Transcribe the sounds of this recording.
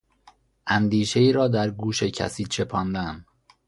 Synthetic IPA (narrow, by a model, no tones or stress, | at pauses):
ʔænd̪iːʃe̞iːɾɒːd̪æɾɡuːʃecʰæ̰siːt͡ʃʰe̞pʰɒːnd̪æn